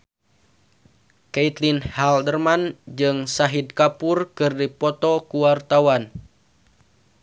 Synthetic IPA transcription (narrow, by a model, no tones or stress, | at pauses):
kɛit̪linhaldərmand͡ʒɨŋsaɦid̪̚kapurkɨrdipɔt̪ɔkuwart̪awan